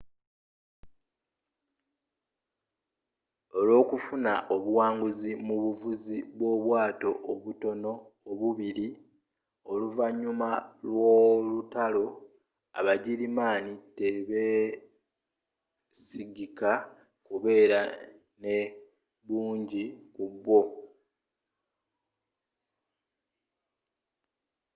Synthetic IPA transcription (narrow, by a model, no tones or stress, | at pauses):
o̞lwo̞ːkufuna̰ʔo̞βuwaːŋɡuzimuβuvuziβwo̞βwaːto̞ʔoβuto̞no̞ː | βuβiɾi | o̞luvaɲːumalwolutalo̞ | a̰βaɟilimaːniteβe̞ | siɡika | kuβe̞ːɾa | ne̞ | βuːɲɟikuβːo̞